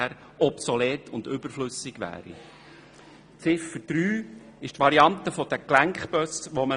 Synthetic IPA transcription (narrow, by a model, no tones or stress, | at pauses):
æɾ | ɔpsɔleːt̪ʰʊnd̪ʏbəɾflʏsɪɡ̥ʋæ̰ːɾḭ | t͡sɪfəd̥ɾyː | ɪʃtʋɑɾiɑnt̪əfɔd̥̪əklæŋkχb̥œsʋɔmə